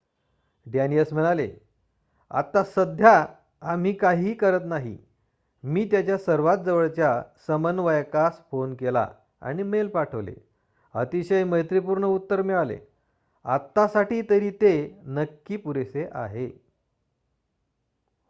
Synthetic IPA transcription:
ɖjaniəsm̤əɭ̃alḛ | a̰t̪ːasəd̪ʱja | am̤iːkaɦiːkəɾət̪naɦḭ | miːt̪jat͡ɕjasəɾʋat̪̚d͡zəʋəɭt͡ɕjasəmənːʋəjkasfonkela̰ | a̰ɽ̃imelpaʈʰəʋlḛ | ə̰t̪iɕəjməɦjt̪ɾipuɾɳəut̪ːəɾmiɭalḛ | a̰t̪ːasaʈiːt̪əɾiːt̪enəkːiːpuɾeseʔa̰ɦe

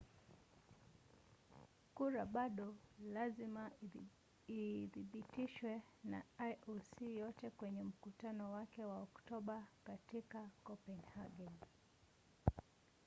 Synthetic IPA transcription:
kuɾaɓaɗɔlazima | iðiɓitiʃwɛ | na̰ajʔɔsijɔtɛkwɛɲɛm̩kutanɔwakɛwaɔktɔɓakatikakɔpɛnhaɡɛn

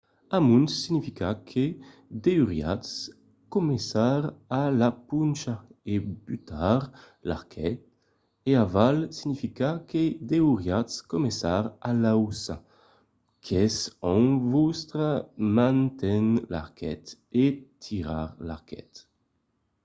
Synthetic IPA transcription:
amunsːinifikakʰe | d̪euʁja̰ts | komesaʁalapunt͡ʃaebyt̪aʁ | la̰ʁkʰɛt̪̚ | eavalsiɲifikaked̪euʁjatskomesaʁalawsa̰ | kʰɛsɔ̃ŋvust̪ɾamãnt̪ɛnla̰ʁkʰɛt̪ | et̪ʰiʁa̰ʁla̰ʁkɛ̰t̪

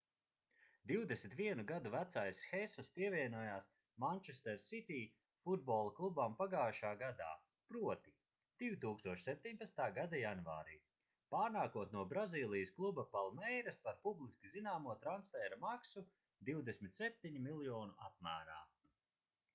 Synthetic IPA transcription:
d̪iwd̪esmit̪vʲiɛnuɡad̪uvæt̪sajsxɛsuspiɛvʲiɛnuɔjaːs | manʲt͡ʃest̪ɛɾsit̪iː | fud̪̚bɔːlˠklˠubampaɡaːʃaːɡad̪a̰ː | pɾuɔt̪i | d̪̥ivt̪uːkst̪uɔʃsɛp̚ʲt̪ʲiɲpat̪st̪aːɡad̪ajanva̰ːɾḭː | paːɾnaːkuɔt̪nuɔbɾaziːlˠijəsklˠubapalˠmɛjɾɐspaɾpublˠiskʲizinaːmuɔt̪ɾansfɛːɾamaksu | d̪iwd̪esmit̪sɛp̚t̪iɲimilˠjɔːnuap̚mæːɾaː

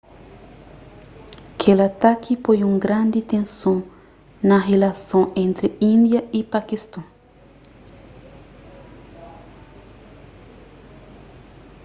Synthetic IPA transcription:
kʰelat̪akʰipojũŋɡɾãnd̪it̪ẽnsõ | nɐɦelasõẽnt̪ɾeĩnd̪jɐipakist̪õ

